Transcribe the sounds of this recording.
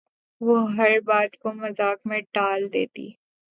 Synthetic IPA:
ʋoɦɐɾbaːd̪komɐzaːkmẽʈaːld̪ḛːt̪ḭː

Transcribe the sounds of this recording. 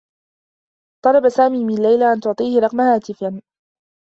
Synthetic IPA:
t̪ˤɑlˤɑbasaːmiːmɪalːajlaʔant̪ʊʕt̪ˤiːhɪɾˤɑqmahaːt̪ɪfan

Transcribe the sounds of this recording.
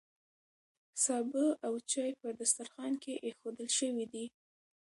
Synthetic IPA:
sɑbəʔawt͡ʃɑjpəd̪ast̪aɾxɑnkeʔexod̪əlʃəwid̪i

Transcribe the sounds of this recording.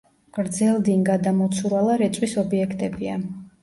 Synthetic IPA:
ɡ̥ɾd̪zɛlˠd̪inɡad̪amɔt̪sʰuɾalˠaɾɛt̪sʼwisɔbiɛkʰt̪ʼɛbia

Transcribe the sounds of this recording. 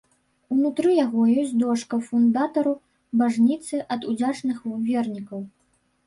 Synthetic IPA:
unut̪ɾɨjaɣɔjɔsʲd̪ɔʂkɐfund̪at̪ɐɾu | baʐnʲit̪sɨʔɐd̪ud͡zʲat͡ʂnɨxvʲɛrnʲikɐw

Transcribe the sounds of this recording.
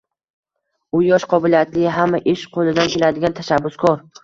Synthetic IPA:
ʊjɒʃqʰɒbɪlijat̪lɪɦamːaʔɪʃqʰolˠɪd̪ankʲelad̪ɪɡʲant̪ʰaʃabːʊskʰɒɾ

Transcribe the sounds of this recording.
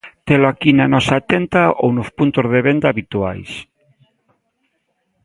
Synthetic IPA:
t̪eloakinanɔsaːt̪ent̪ao̰wnospunt̪ozðeβend̪aːβit̪ua̰js

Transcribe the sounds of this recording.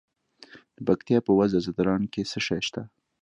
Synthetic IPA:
d̪̥əpakt̪ijɑpəwazazad̪ɾɑnkesəʃɑjʃt̪a

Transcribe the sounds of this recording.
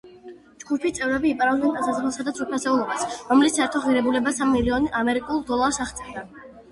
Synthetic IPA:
d͡ʒɡupʰit̪sʼɛvɾɛbiːpʼaɾalˠmɛnt̪ʼasazamɛlˠsad̪at̪sʰupʰasɛulˠɔbasɾɔmlissaɛɾt̪ʰɔʁiɾɛbulɛbasamːiliɔnamɛɾikʼulˠd̪ɔlˠaɾsaχt̪sʼɛɾd̪a

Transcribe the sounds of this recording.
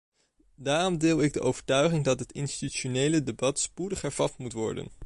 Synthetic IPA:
daːrɔmdɪːlˠɪɡ̚dəʔowv̥əɹtœɥχɪŋdɑtɦətɪnsi̥tyt͡ʃonejlədebɑtspudəχɦɛɹv̥ɑtmutʋɔ̰ɹdə̰n

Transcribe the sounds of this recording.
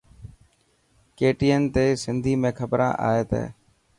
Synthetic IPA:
keːʈiːənt̪eːsɪnd̪ʱiːmẽːkʰəbɾã̰ːʔa̰ːeːt̪ḛː

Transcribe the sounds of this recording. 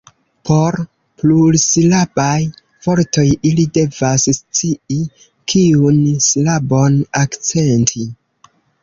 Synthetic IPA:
pʰo̞ɾ | plulslabaj | v̥o̞ɾto̞jilide̞vasst͡sii | kʰiunslabo̞nakt͡se̞ntʰi

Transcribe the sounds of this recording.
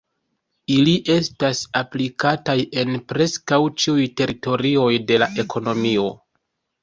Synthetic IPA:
iliʔe̞stasaplikataje̞npɾe̞skawt͡ʃiujte̞ɾito̞ɾio̞jde̞laʔe̞kʰo̞no̞mio̞̰

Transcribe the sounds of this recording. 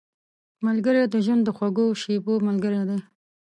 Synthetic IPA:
malɡəɾed̪əʒwand̪ːəxwaɡoʃebomalɡəɾed̪e

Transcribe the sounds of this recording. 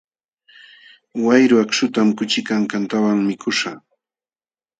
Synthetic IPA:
wajɾʊakʃʊt̪amkʊt͡ʃɪkaŋkant̪awaŋmɪkʰʊʃa

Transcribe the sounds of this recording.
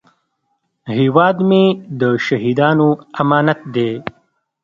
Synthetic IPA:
hewɑːd̪med̪əʃaɦid̪ɑːnoamɑːnat̪̚d̪e

